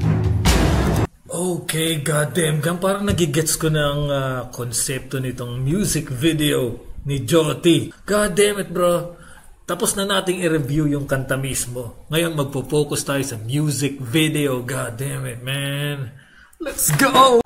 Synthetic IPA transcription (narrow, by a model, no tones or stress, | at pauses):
ʔowkejɡad̪ɛmɡɐmpaːɾɐŋnɐɡiɡɛt̪skonɐŋakonsɛp̚t̪o̞nɪt̪o̞ŋmjuːsɪkvɪd̪ɛonɪd͡ʒot̪iɡ̥ad̪ɛmɛt̪̚bɾo | t̪ɐposnɐnaːt̪ɪŋɪɾɛbjujʊŋkɐnt̪ɐmismo̞ŋɐjo̞nmɐɡ̚popo̞ːkost̪aːjosɐmjuːsɪk̚vɪd̪ɛoɡad̪ɛmɛt̪̚mɛn | lɛt̪sɡo